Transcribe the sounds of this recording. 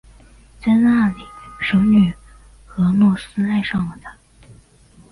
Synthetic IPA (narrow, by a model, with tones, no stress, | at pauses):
t͡sa˥˧ɪna˥˩li˨˩ʂo˧˥ʊny˨˩ | xɤ˧˥nwɔ˥˩sɹ̩˥a˥˧ɪʂɑ˥˩ŋlə˨˩t̪ʰa˨˩˥